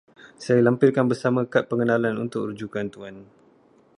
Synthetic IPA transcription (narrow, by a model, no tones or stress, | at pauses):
sajalampɪrkanbərsamə̃kat̪̚pəŋənãlanṵnt̪ʊk̚rd͡ʒukant̪uan